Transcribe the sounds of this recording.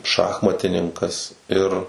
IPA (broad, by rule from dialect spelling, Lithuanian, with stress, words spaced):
ˈʃɑːxmɐtʲɪnʲɪŋkɐs ˈɪr